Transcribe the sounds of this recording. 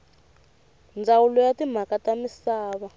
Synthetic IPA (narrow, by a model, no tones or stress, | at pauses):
nd͡zʱawulɔjatim̤akatamisaːβa